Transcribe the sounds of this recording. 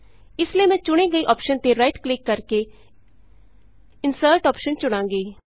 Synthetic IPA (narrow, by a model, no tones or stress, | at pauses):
ɪsliiːmɛ̃ːt͡ʃʊɽ̃ẽːɡəiːʔɔːpʃənt̪eɾaɪʈklɪkːəɾke | ɪnsəːɾʈɔːpʃənt͡ʃʊɽ̃ãːŋɡiː